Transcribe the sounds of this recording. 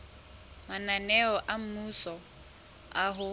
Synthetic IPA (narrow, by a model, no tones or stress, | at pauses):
mananɛɔʔam̩musɔ | aɦʊ